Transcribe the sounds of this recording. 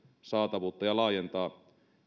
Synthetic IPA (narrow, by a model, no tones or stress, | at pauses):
sɑˑːt̪ɑʋuːt̪ːɑjɑlɑːˑjent̪ɑː